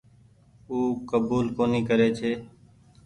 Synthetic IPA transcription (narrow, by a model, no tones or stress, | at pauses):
uːkəbuːlkoːniːkəɾeːt͡ʃʰeː